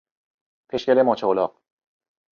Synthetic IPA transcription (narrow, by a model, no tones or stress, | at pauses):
pʰeʃcʲælemɒːt͡ʃʰeolɒːq̚